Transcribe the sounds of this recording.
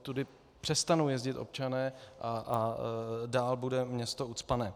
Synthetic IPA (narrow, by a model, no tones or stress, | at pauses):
t̪udɪ | pr̥ɛst̪anowjɛzɟɪt̪ʔo̞̰p̚t͡ʃanɛːʔaa | daːlbudɛmɲɛst̪out̪t͡spanɛː